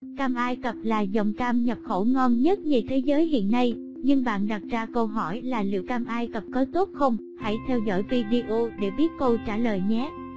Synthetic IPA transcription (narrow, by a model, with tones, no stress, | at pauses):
kaː˧mʔaː˧jkə˨˩p̚laː˨˩zə˨˩wŋ͡mkaː˧mɲə˨˩p̚xo˧˩ŋɔ˧nɲə˦˥t̚ɲi˨˩t̪ʰe˨˦zəː˨˦jɦḭ˧˨ənːa˧j | ɲɨ˧ŋɓa̰ː˧˨nɗa˨˩t̚zaː˧kə˧wɦɔ˧˩jlaː˨˩lḭ˧˨əwkaː˧mʔaː˧jkə˨˩p̚kɔ˨˦jt̪o˦˥t̚xə˧wŋ͡m | ha̰˧˩jt̪ʰɛ˧wzɔ̰˧˥jvi˧ɗi˧ʔo˧ɗe˧˩ɓi˦˥ət̚ko˧t͡ɕaː˧˩ləː˨˩jɲɛ˨˦˥